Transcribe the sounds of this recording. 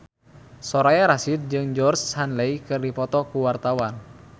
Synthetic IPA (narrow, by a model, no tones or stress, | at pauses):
sɔɾajaɾasit̪̚d͡ʒɨŋd͡ʒɔrshanleikɨrdipɔt̪ɔkuwart̪awan